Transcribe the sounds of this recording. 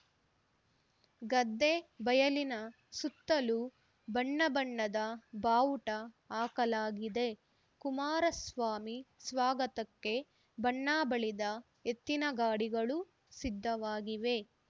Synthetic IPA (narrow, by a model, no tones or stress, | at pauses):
ɡɐd̪ːe̞bɐjɐlinɐ | sut̪ːɐlu | bɐɳːɐbɐɳːɐd̪ɐbaːwuʈɐ | aːkɐlaːɡid̪e̞ | kumaːɾɐsʋaːmisʋaːɡɐt̪ɐkːe̞ | bɐɳːaːbɐɭid̪ɐ | et̪ːinɐɡaːɽiɡɐɭu | sid̪ʱːɐʋaːɡiʋe̞